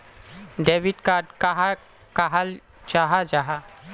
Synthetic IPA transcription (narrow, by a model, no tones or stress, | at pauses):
ɖeːʋɪʈkaːɖkaɦa | kaɦal | t͡ʃaɦad͡ʒaɦa